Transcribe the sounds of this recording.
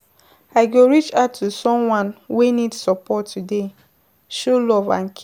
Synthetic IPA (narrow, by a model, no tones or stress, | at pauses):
aɪɡoɹit͡ʃatʰːusɔ̃mwãnwenidsɔpɔtːude | ʃolɔvã̰nk